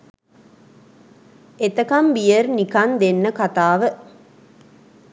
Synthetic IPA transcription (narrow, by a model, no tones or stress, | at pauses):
et̪əkɐmbijəɾnikɐnd̪enːəkat̪aːʋə